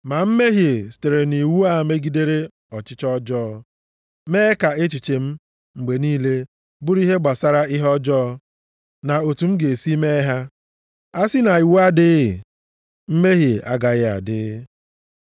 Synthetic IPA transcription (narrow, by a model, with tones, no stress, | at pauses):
ma˨m̩˦me˦ɦje˨si̥˨te˨ɾe˨ni˨wu˦a˦˨me˦ɡi˨de˦ɾe˦ | ɔ˨t͡ʃɪ˦t͡ʃɔ˦d͡ʒɔː˦ | meː˦ka˨e˦t͡ʃi˨t͡ʃe˨m̩˦ | ŋ͡m̩˨ɡ͡be˨niː˦le˦ | bʊ˦ɾi˦ɦe˦ɡ͡ba˨sa˦ɾa˦ɪ˦ɦɔ˦d͡ʒɔː˦ | na˨o˨tu˨m̩˦ɡe˨si˦me˦ɦa˦ | a˦sɪ˦na˨i˨wu˦a˦dɪ˦˨ | m̩˦me˦ɦje˨ʔa̰˦ɡa˨ɣɪ˦a̰˨dɪ˦